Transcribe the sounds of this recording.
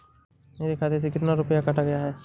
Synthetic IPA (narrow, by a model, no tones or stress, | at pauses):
meːɾikʰaːt̪eɾs̬ekɪt̪naɾʊpəjakɐʈʰaɡɐjaɦɛː